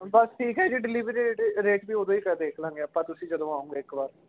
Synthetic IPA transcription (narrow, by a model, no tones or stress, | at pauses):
bəsʈʰiːkɦɛːd͡ʒiːɖɪliːʋəɾieːʈɾeːʈbiːoːd̪õːiːkɛd̪eːkʰlãːɡeəpãːt̪ʊsĩːd͡ʒəd̪õːaːũːɡeːɪkbaːɾ